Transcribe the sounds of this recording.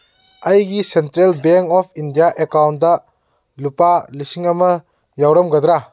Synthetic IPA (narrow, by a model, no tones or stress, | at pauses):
ɐjɡisentɾelbeŋkɔpʰindijaʔekawnt̚dɐ | lupalisiŋɐmɐ | jawɾɐmɡɐd̪ɾa